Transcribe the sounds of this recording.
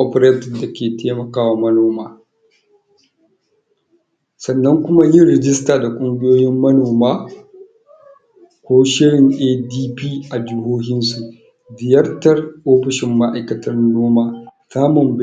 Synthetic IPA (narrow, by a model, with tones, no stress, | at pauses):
ʔɔ˦pɾeː˦tɪ˨da˨kʲʰeː˨tʰeː˦mɐ˨kaː˦wa˨mɐ˦noː˦maː˦ | sɐ˨nːɐ˦ŋkʷʊ˦ma˦jɪ˦nɾɛ˨d͡ʒɪ˦staː˨da˨kʷʼʊ˦ŋɡʲɪ˦joː˦jɪ˦mːɐ˦noː˨maː˦ | kʷoː˦ʃɪ˦ɽɪ˨ŋʔeː˦diː˦piː˦ʔa˨d͡ʒɪ˦ɦoː˦hɪ˦nsu˨ʔ | dɪ˨jɐ˦rtɐ˦rʔoː˦ɸɪ˨ʃɪ˨mːa˦ʔa˦jkɐ˦tɐ˦rnoː˦maː˦˨saː˦mʊ˨mb